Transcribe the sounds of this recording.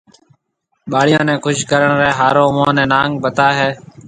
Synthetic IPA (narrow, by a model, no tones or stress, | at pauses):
ɓaːɽɪjõːnɛ̃ːkʰʊʃkəɾəɳɾeɦaːɾõːʊmõːnɛ̃ːnaːŋɡbət̪aːɦeː